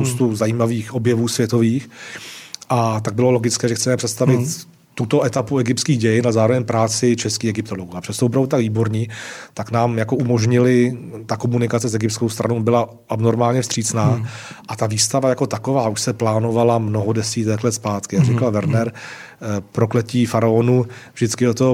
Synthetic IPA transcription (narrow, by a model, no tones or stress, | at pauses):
powst̪uzajiːmaviːxʔo̞bjɛvuːsvjɛt̪o̞viːx | ʔat̪aɡ̚bɪlo̞lo̞ɡɪt͡skɛːʒɛxt͡sɛmɛpr̥ɛt̪st̪avɪt̪ | t̪ːut̪o̞ʔɛt̪apuɛɡɪpt̪skiːɣɟɛjɪnalɛzaːɾo̞vɛɲpɾaːt͡sɪt͡ʃɛskiːxɛɡɪp̚t̪oloɡuapr̥ɛst̪ovop̬ɾavdut̪aɡviːbo̞ɾɲiːt̪aknaːmjakoumoʒɲɪlɪt̪ako̞munɪkat͡sɛsɛɡɪpt̪skowst̪ɾa̰nowbɪla | ʔabnoɾmaːlɲɛfst̪r̥iːt͡snaːʔat̪aviːst̪avajako̞t̪akovaːʔuʃsɛplaːno̞valamnoɦodɛsiːt̪ɛklɛt̪spaːt̪kɪjaɡrɪkalvɛɾnɛɾ | pɾoklɛciːfaɾaonuvʒdɪt͡skɪot̪o